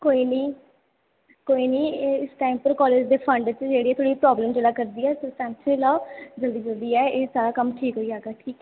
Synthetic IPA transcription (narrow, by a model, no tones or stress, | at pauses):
koːiːniː | koːiːniːɪsʈaːimpəɾkɔːleːd͡ʒd̪eːpʰə̃ɳɖt͡ʃd͡ʒeːɽiːɛːt̪ʰoːɽiːpɾɔːbləmd͡ʒəlaːkəɾd̪iːɛːsəsɛ̃ːnsʰẽːlaːd͡ʒəld̪iːd͡ʒəld̪iːɛːeːsaːɾaːkəmʈʰiːkɦoːiːaːɡɛːʈʰiːkː